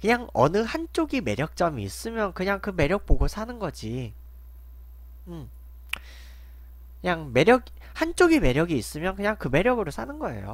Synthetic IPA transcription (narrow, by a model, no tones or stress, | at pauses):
kɯɲaŋʌ̰nɯhant͡ɕ͈oɡime̞ɾjʌk̚t͡ɕ͈ʌmiːs͈ɯmjʌnkɯɲaŋkɯme̞ɾjʌk̚p͈oɡosʰanɯnɡʌd͡ʑi | ɯm | kɯɲaŋme̞ɾjʌɡi | hant͡ɕ͈oɡime̞ɾjʌɡiːs͈ɯmjʌnkɯɲaŋkɯme̞ɾjʌɡɯɾosʰanɯnɡʌe̞̰jo̰